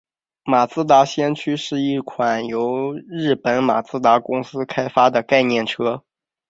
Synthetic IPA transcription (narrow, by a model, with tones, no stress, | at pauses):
ma˨˩t͡sɹ̩˥t̪a˧˥ɕjɛ˥nt͡ɕʰy˥ʂɻ̩˥˧i˥˩kʰwa˨˩njo˧˥ʊɻɻ̩˥˩pə˧˥nma˨˩t͡sɹ̩˥t̪a˧˥kʊ˥ŋsɹ̩˥kʰa˥ɪfa˥d̪ə˨ka˥˧ɪnjɛ˥˩nʈ͡ʂʰɤ˥